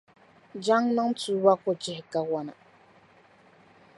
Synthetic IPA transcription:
d͡ʒa˦ŋnɨ˦ŋ˦tuː˦ba˦kɔ˨d͡ʒɪ˦hɪ˨ɡa˦wɔ˦na̰˨

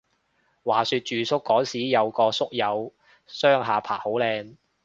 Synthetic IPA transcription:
waː˨˩syː˧t̚t͡ʃyː˨sʊ˥kːɔː˨˥siː˨˥jɐ˨˧wkɔː˧sʊ˥k̚jɐ˨˧w | sœː˥ŋɦaː˨pʰaː˨˩ho˨˥wlɛː˧ŋ

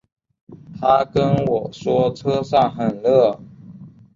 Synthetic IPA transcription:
t̪ʰa˥kə˥nwɔ˨˩ʂwɔ˥ʈ͡ʂʰɤ˥ʂɑ˥˩ŋxə˨˩nlɤ˥˩

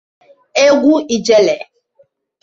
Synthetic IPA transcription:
e˦ɡʷu˦i˨d͡ʒɛ˦lɛ˨

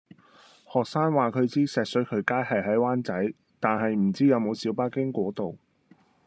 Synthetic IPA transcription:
hɔː˨k̚saː˥nwaː˨kʰɵ˨˧ɥt͡siː˥sɛː˨k̚sɵ˨˥kʰɵ˨˧ɥkaː˥jhɐ˨jɦɐ˨˥jwaː˥nt͡sɐ˨˥j | t̪aː˨nhɐ˨jm̩˨˩t͡siː˥jɐ˨˧wmo˨˧wsiː˨˥wpaː˥kɪ˥ŋkʷɔː˨˥t̪o˨w

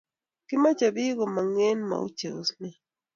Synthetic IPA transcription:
ki˦ma˦t͡ʃa˨βi˦ɣo˨ma˨ŋe˦nma̰˨ṵ˦t͡ʃe˨o˨snɛ˨

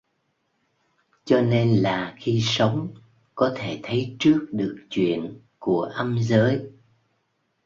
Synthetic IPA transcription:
t͡ɕɔ˧ne˧nlaː˨˩xi˧sə˨˦wŋ͡m | kɔ˨˦t̪ʰe˧˩t̪ʰə˨˦jt͡ɕɨ˦˥ək̚ɗɨ˨˩ək̚t͡ɕwḭ˧˨ən | ku˧˩əʔə˧mzəː˨˦j

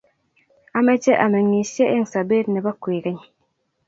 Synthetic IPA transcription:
a˦me˦d͡ʒe˦ʔa˨me˨ŋi˨sje˦ʔe˦ŋ̩˨sa˨be˦ɾne˨ba˦kwe˨ɡe˦ɲ

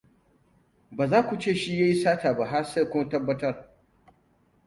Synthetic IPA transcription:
baː˨zaː˦kʷu˨t͡ʃeː˦˨ʃi˦ja˦ji˦saː˦taː˨ba˨ɦa˦se˦˨kʷʊ˦ma˦tɐ˦bːɐ˦tɐ˦r

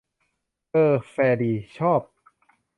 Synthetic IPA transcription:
ʔɤː˧fɛː˧diː˧t͡ɕʰɔː˥˩p̚

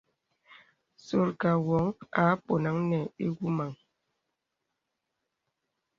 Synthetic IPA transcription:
so˨ɾka˨wɔ˨˦ŋa˨˦po˨na˨˦ŋnɛ˨e˦ɡu˦ma˨ŋ

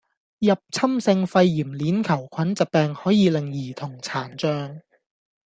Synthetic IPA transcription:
jɐ˨p̚t͡sʰɐ˥msɪ˧ŋfɐ˧jːiː˨˩mliː˨˥nkʰɐ˨˩wkʷʰɐ˨˥nt͡sɐ˨t̚pɛː˨˧ŋhɔː˨˥jiː˨˧lɪ˨˩ŋjiː˨˩t̪ʰʊ˨˩ŋt͡sʰaː˨˩nt͡sœː˧ŋ

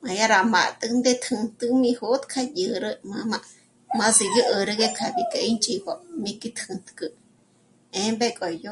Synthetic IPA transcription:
mã˨ja˦ɾa˨ma̰˨t̪ʼɨ˦nd̪e˦t̪ʰhɨ˧nt̪ɨ˦mĩ˧ho˦t̪kʰa˦jə˨ɾə˦mã˧ma˧ | mã˧zi˧ju˦ʔə˧ɾə˧ɡe˦kʰa˧˨bi˨ke˧ʔi˦nt͡ʃʼi˧bo˧mĩ˧ki˦t̪ʰɨ˧nt̪kɨ˧ | e˧˦mbe˦kʼo˨jo˦

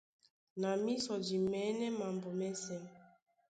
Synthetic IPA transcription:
na˨mi˦sɔ˨d͡ʒi˨mɛ˨˦nɛ˦ma˨mbɔ˨mɛ˦sɛ˦m

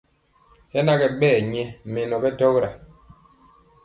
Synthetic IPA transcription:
ɛ˦na˦ɡɛ˨ɓɛː˦˨ɲɛ˦me˨nɔ˨bɛ˦tɔ˦ɣɾa˨

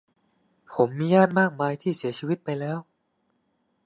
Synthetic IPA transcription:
pʰo˩˦mːiː˧jaː˥˩t̪̚maː˥˩k̚maː˧jt̪ʰiː˥˩si˨˩˦ɐt͡ɕʰiː˧wi˦˥t̪̚pa˧jlɛː˦˥w

